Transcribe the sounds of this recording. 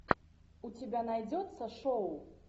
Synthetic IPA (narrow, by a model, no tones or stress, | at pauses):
ut͡sʲibʲanajd͡zʲɔt̪sːɐʂɔw